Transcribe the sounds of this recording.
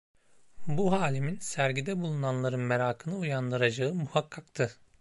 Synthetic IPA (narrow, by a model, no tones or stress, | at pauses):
buɦaːlʲiminsæɾɟid̪ɛbulˠunanlˠaɾɯnmeɾaːkʰɯnɯujand̪ɯɾad͡ʒaɯmuhakʰːakt̪ʰɯ